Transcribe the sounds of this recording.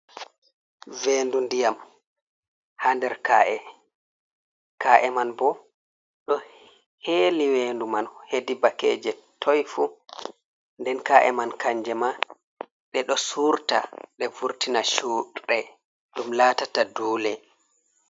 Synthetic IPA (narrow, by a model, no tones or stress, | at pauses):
veːndundijam | handɛɾkaʔɛ | kaʔɛmanbɔ | ɗɔ | heːliweːndumanhedibakɛ̰ːd͡ʒɛtʰɔjfu | ndɛnkaʔɛ̰mankaɲd͡ʒɛma | ɗɛɗɔsuɾta̰ɗɛvuɾtinaʃuɗɛ | ɗumlaːtataduːlɛ